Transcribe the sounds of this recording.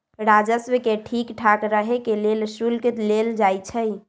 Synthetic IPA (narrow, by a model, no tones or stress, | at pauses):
ɾad͡ʒəswəkeʈʰikʈʰakɾəɦekelelsulkit̪leld͡ʒajt͡ʃʰəj